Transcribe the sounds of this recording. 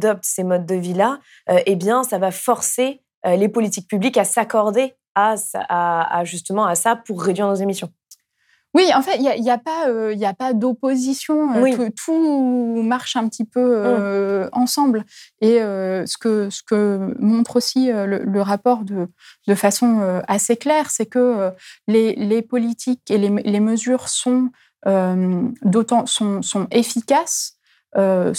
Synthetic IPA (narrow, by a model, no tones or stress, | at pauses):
d̪ɔp̚t̪semɔd̪̚ːəvila | øʔebjɛ̃savafɔʁse | ølepɔlit̪ik̚pyblikasakɔʁd̪e | asa̰aa̰ʒyst̪əmɑ̃asapuʁːed̪ɥiʁnozemisjɔ̃ | wiɑ̃fɛt̪iljaʔiljapaøiljapad̪opozisjɔ̃øwitut̪ʰu | maʁʃɛ̃pət̪ʰipøø | ɑ̃sɑ̃bleøsə̥kəsə̥kəmɔ̃t̪χosiølə̰ləʁapɔʁd̪ə | d̪əfasɔ̃øaseklɛːʁsɛkəølelepɔlit̪ʰikeleleməzyːʁsɔ̃ | ømd̪ot̪ɑ̃sɔ̃sɔ̃efikʲas | ø